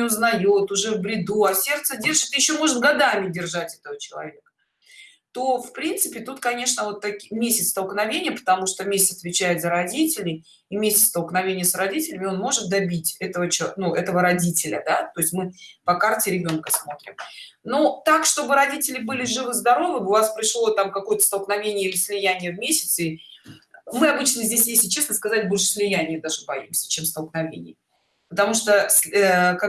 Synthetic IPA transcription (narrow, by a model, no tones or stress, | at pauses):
ɪʊznɐjot̪ʊʐɛvbɾʲɪd̪uɐsʲe̞rt̪sədʲe̞rʐɨt̪jɪɕːo̞mo̞ʐɨt̪̚ɡɐd̪amʲɪdʲɪrʐatʲɛ̥t̪əvət͡ɕɪlˠɐ̰vʲe̞kə̥ | t̪o̞fpɾʲint̪sɨpʲɪt̪ut̪kɐnʲe̞ʂnəvo̞t̪ːɐkʲimʲesʲɪt̪st̪əlˠknɐvʲenʲɪjəpə̥t̪ɐmuʂt̪omʲesʲɪtsɐ̥t̪vʲɪt͡ɕæjɪt̪zəɾɐdʲitʲɪlʲɪj | imʲesʲɪt̪st̪əlˠknɐvʲenʲɪjəsɾɐdʲitʲɪlʲɪmʲɪo̞nmo̞ʐɨt̪̚d̪ɐbʲitʲɛt̪əvət͡ɕɪnuɛt̪əvəɾɐdʲitʲɪlʲə̰d̪at̪o̞ɪsʲtʲmɨpɐkartʲɪɾʲɪbʲo̞nkəsmo̞t̪ɾʲɪ̰mnot̪akʂt̪o̞bɨɾɐdʲitʲɪlʲɪbɨlʲɪʐɨvɨzd̪ɐɾo̞vɨʊvaspɾʲɪʂlˠo̞t̪amkɐko̞jət̪ə̥st̪əlˠknɐvʲenʲɪjəɪlʲɪsʲlʲɪjænʲɪjəvmʲesʲɪ̥t̪si | mɨɐbɨt͡ɕnəzʲdʲesʲjesʲɪt͡ɕe̞snəskɐzatʲbo̞lʲʂɨ̥sʲlʲɪjænʲɪjəd̪aʐɨbɐjimsʲə̥t͡ɕemst̪əlˠknɐvʲḛnʲɪ̰jə | pət̪ɐmuʂt̪əska